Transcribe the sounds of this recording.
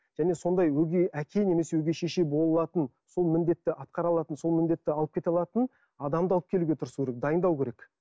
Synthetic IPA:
ʒ̥æne̞so̞nd̪ɑjwɵɡʲeʔækʲʰe̞ne̞me̞sewɵɡʲe̞ʃe̞ʃe̞bo̞lˠəlˠɑt̪ən | so̞lˠmɪnd̪e̞t̪ːɪʔɑt̪̚qɑɾɑlˠɑt̪ənso̞lˠmɪnd̪e̞t̪ːɪɑlˠəp̚kʲʰe̞t̪ɑlˠɑt̪ən | ɑd̪ɑmd̪əɑlˠəpkʲʰe̞luɡʲe̞t̪ʰʊɾəsukʲʰeɾek̚d̪ɑjənd̪ɑwkʲeɾe̞k

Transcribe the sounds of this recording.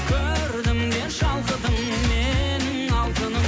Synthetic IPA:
kʲʰɵɾd̪ɪmd̪eʃɑlˠqəd̪əmː | enɪŋɑlˠt̪ənəm

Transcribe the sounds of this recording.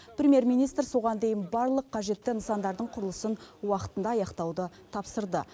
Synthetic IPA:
prʲemʲje̞ɾmijnijst̪ɾso̞ʁɑnd̪e̞jɪnbɑɾlˠəqʰːɑʒe̞t̪ːɪnəsɑnd̪ɑɾd̪əɴqʰʊɾəlˠəsənwɑqə̥t̪ənd̪ɑːjɑqt̪ɑwd̪ə | t̪ʰɑpsəɾd̪ə

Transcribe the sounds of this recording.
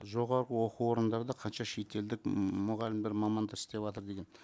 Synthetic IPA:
ʒo̞ʁɑɾʁəwo̞quwo̞ɾənd̪ɑɾd̪ɑqʰɑnʃɑʃe̞jt̪ʰe̞ld̪ɪkmʊʁɑlɪmbeɾmɑmɑnd̪ɑɾɪ̥st̪e̞pvɑt̪əɾd̪e̞ɡʲe̞n

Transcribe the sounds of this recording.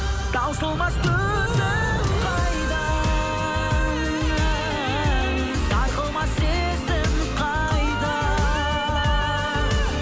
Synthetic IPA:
d̪̥ɑwsəlˠmɑst̪ʰɵ | sɪ | qʰɑjd̪ə | d̪ɑjqəlˠmɑse | sɪn | qʰɑ | jd̪ə

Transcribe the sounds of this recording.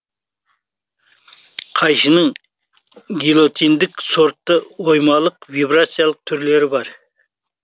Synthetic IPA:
qʰɑjʃənəŋ | ɡʲilˠo̞t̪ind̪ɪkso̞ɾt̪ːəwo̞jmɑlˠəqvibɾat̪sijalˠəq̚t̪ʰʏɾle̞ɾɪbɑɾ

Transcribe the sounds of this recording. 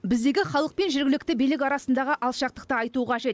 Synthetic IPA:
bɪzd̪e̞ɡʲɪχɑlˠəq̚pe̞nʒɪɾɡʲɪlɪk̚ʲt̪ɪbijlɪk̬ʲɑɾɑsənd̪ɑʁəʔɑlˠʃɑq̚t̪əq̚t̪əɑjt̪uʁɑʒe̞t̪

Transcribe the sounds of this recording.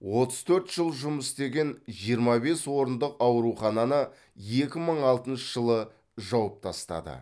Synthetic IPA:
wo̞t̪əz̥t̪ʰɵɾt̪ʒ̥əlˠʒʊməst̪e̞ɡʲe̞nʒijəɾmɑbe̞swo̞ɾənd̪əqɑwɾuχɑnɑnə | je̞kʲɪməɴɑlˠt̪ənʃəʒəlˠə | ʒɑwəp̚t̪ʰɑst̪ɑ̰d̪ə̰

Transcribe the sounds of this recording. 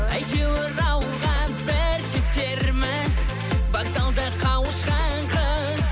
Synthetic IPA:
æjt̪ewɪɾɑwəlˠʁɑnbɪɾʃɪp̚t̪e̞ɾmɪz | bɑk̚t̪ɑlˠd̪əqʰɑwəʃqɑɴqʰɑ

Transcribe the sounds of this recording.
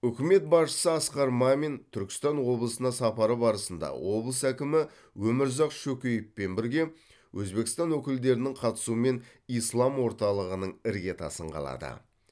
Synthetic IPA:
ʏkʲɪme̞t̪̚bɑsʃə̥səɑsqɑɾmɑme̞nt̪ʰʏɾkʲɪ̥st̪ɑnwo̞blˠəsənɑsɑpɑɾəbɑɾəsənd̪ɑ̰wo̞blˠəsækʲɪmɪ | wɵmɪɾzɑqʃɵkʲejɪpːe̞nbɪɾɡʲe̞ | wʔɵzbe̞kʲɪst̪ɑnwɵkʲɪld̪e̞ɾɪnɪŋqʰɑt̪ə̥suəme̞n | ijslˠɑmwo̞ɾt̪ɑlˠəʁənəɴɪɾɡʲe̞t̪ʰɑ̰səɴqʰɑ̰lˠɑ̰d̪ə̰

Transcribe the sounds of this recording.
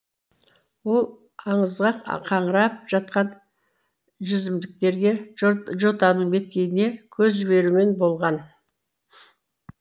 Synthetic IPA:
wo̞lˠ | ɑɴəzʁɑqqʰɑɴəɾɑp̚ʒ̥ɑt̪qɑn | ʒʏzɪmd̪ɪk̚t̪e̞ɾɡʲe̞ʒo̞t̪ɑnəɴbe̞t̪̚kʲe̞jɪne̞kʲʰɵzʒɪβe̞ɾume̞nbo̞lˠʁɑn

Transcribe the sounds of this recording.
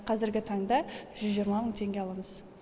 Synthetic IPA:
qʰɑzɪɾɡʲɪt̪ʰɑɴd̪ɑʒ̥ʏzʒijɾmɑməɴt̪ʰe̞ŋɡʲe̞ɑlˠɑməz̥

